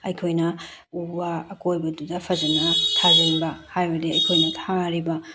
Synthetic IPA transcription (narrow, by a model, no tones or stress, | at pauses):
ɐjkʰojnɐ | ubɐːkojbɐdudɐpʰɐzɐnɐtʰazeɾbɐhajbɐdiɐjkʰojnɐtʰaɾibɐ